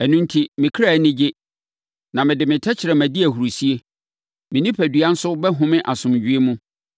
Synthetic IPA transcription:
ɛ˨nũ˦n˦tʰi˦mɪ̃˨kʰɾa˨˦nɪ̃˦d͡ʑɪ˦ | nã˨mɪ̃˨dɪ˨mɪ̃˨tʰɛ˦t͡ɕʰɪ˨ɾɛ˨mæ̃˨di˦æ˨ɦu˨ɾu˨si˦e˦ | mɪ̃˨nĩ˦pʰæ˨dɥa˦n̩˦sʊ˦bɛ˦ɦʊ̃˦mɪ̃˦ʔa˨sʊ̃˨md͡ʑᶣɥe˦mũ˦

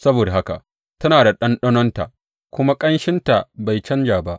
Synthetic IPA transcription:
sɐ˦boː˨da˨ha˦ka̰˨ | tɐ˦naː˨da˨ɗɐ˦nɗɐ˦nɔ˦nta̰˨ʔ | kʷʊ˦ma˦kʼɐ˦nʃɪ˦nta˨ba˨jt͡ʃɐ˦nd͡ʒaː˨ba˦ʔ

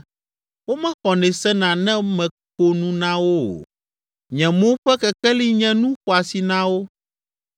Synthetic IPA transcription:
wo˦mɛ̃˦xɔ˨nɛ̃˨sɛ˦nã˨nɛ̃˦mɛ̃˨ | ko˨nũ˦nã˦wo̰˦˨ | ɲɛ̃˨mõ˦ɸɛ˦kɛ˨kɛ˦li˦ɲɛ̃˦nũ˦ɸo˨a˨si˨nã˦wo˦

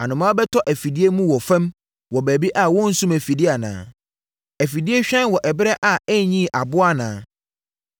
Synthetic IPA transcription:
a˨nʊ̃˨mã˦bɛ˦tʰɔ˦ʔæ˨fi˨di˦e˦mũ˦wɔ˨fɛ̃˦m | wɔ˨bæː˨bi˦ʔa˦˨wɔ̃˦n̩˦sũ˦mæ˨fi˨di˦a˨nã̰ː˨˦ | æ˨fi˨di˦e˦ɕᶣɛ̃˦nwɔ˨ʔɛ˨bɪ˦ɾɛ˦ʔa˨æ˦ɲĩ˦˨ʔa˨bʊ˦a˦nã̰ː˨

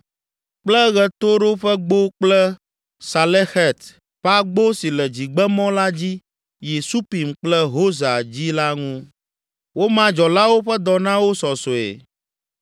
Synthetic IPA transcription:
k͡plɛ˦ɣɛ˨t̪o˦ɖo˦ɸɛ˦ɡ͡bo˦k͡plɛ˦ | sa˨lɛ˦xɛ˦˨t̪ | ɸa˦ɡ͡bo˦si˨lɛ˨d͡ʑi˨ɡ͡bɛ˦mɔ̃˦la˦d͡ʑi˦ | je˨su˦pi˨mk͡plɛ˦ɦo˦za˨d͡ʑi˦la˦ŋũ˦ | wo˦mã˦d͡ʒɔ˨la˦wo˦ɸɛ˦d̪ɔ˨nã˦wo˦sɔ˨so˨ḛ˨

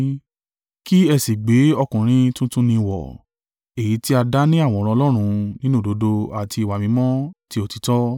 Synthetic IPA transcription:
ki˦ɛ˧si˨ɡ͡be˨˦ɔ˧kũ˨ɾ̃ĩ˦tũ˦tũ˦nĩ˧wɔ̰˨ | e˨ji˨˦ti˦a˧da˦nĩ˦a˦˨w̃ɔ̃˨˦ɾ̃ɔ̃˧lɔ˦ɾ̃ũ˧nĩ˦nũ˦˨do˨˦do˧a˨ti˧i˨wa˨mĩ˨˦mɔ̃˦ti˧˦o˧ti˧˦tɔ˦

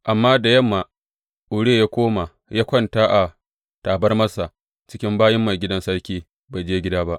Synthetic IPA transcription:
ʔa˨mːaː˦da˨jɐ˦˨mːaː˨ | ʔʊ˨ɽeː˦˨jaː˦kʷoː˦ma˨ | jaː˦kʷɐ˦˨ntaː˦ʔa˨ | taː˨bɐ˦rmɐ˦sa˨ | t͡ʃɪ̥˦kʲɪ˦mbaː˦jɐ˦mːa˨jɡʲɪ˦dɐ˦nsɐ˦ɽkʲiː˦ | ba˨jd͡ʒeː˦ɡʲɪ˦daː˦ba˦ʔ

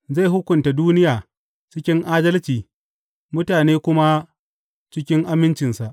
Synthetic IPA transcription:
za˦˨jɦʊ˦kʷʊ˨nta˨duː˦nɪ˦jaː˨ | t͡ʃɪ˦kʲɪ˦ŋʔaː˦dɐ˦lt͡ʃiː˨ | mʊ˦taː˨neː˦kʷʊ˦ma˦ | t͡ʃɪ˦kʲɪ˦ŋʔa˦mɪ˦nt͡ʃɪ˨nsa˨ʔ

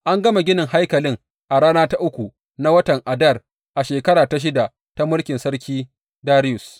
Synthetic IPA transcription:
ʔa˦ŋɡɐ˦ma˨ɡʲɪ˦nɪ˨ŋha˦jkɐ˨lɪ˦ŋ | ʔa˨ɽaː˦naː˦ta˦ʔʊ˦kʷu˨ | na˦wɐ˦tɐ˨ŋʔa˨dɐ˦˨r | ʔa˨ʃeː˨kɐ˦ɽaː˨ta˨ʃ̬ɪ˦da˨ʔ | ta˦mʊ˦lkʲɪ˨nsɐ˦rkʲiː˦ | daː˦ɾɪ˦jʊ˨s

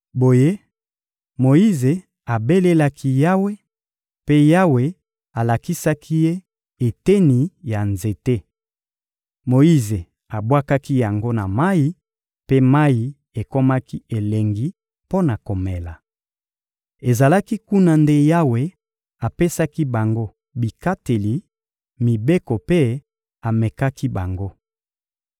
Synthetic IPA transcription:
bo˨je˦ | mo˨i˦ze˨ | a˨be˦le˦la˦kʰi˦ja˦we˦ | pe˦ja˦we˨ | a˨la˨ki˦sa˦kʰi˦je˦ | e˨te˦ni˨ja˨nze˨te˦ | mo˨i˦ze˨ | a˨bwa˦ka˦ki˦ja˨ŋɡo˦na˨ma˦ji˦ | pe˦ma˦ji˨ | e˨ko˦ma˦ki˦e˨le˨ŋɡi˦ | po˦na˨ko˨me˨la˨ | e˨za˨la˦ki˦ku˦na˦nde˦ja˦we˨ | a˨pe˦sa˦ki˦ba˨ŋɡo˦ | bi˨ka˦te˨li˨ | mi˨be˦ko˨pe˦ | a˨me˨ka˦ki˦ba˨ŋɡo˦

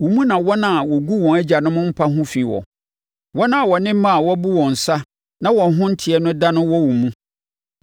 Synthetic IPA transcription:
wu˨mũ˦nã˨wɔ˦nã˨a˨wɔ˨ɡu˦wɔ̃˨ŋæ˦d͡ʑa˨nʊ̃˦mʊ̃˦m̩˦pʰa˦ɦʊ̃˦fi˨wɔ̰̃˨ | wɔ˦nã˨wɔ˨nɪ̃˦mã˦˨a˨wɔ˦bu˦wɔ̃˨n̩˨sa˦ | nã˦wɔ̃˨ɦʊ̃˦n̩˦tʰɪ˨ɛ˦nʊ̃˦da˦nʊ̃˦wɔ˦wu˨mũ˦

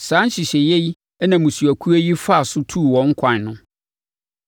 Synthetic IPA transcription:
sãː˦n˦ɕɪ˨ɕɛ˨jɛ˦ji˦ | ɛ˦nã˨mũ˨su˨æ˨kʰu˦æ˦ji˦fa˦a˨sʊ˦tʰu˦˨wɔ̃˨˦ŋ̩˦kʷʰã˨n˨nʊ̃˦

